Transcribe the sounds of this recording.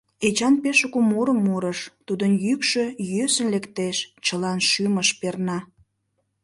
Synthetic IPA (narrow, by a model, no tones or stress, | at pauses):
et͡ɕɑnpeʃəkumuɾəmːuɾəʃt̪ud̪ənjykʃøjøsə̆nlekt̪eʃt͡ɕəlɑnʃyməʃpernɑ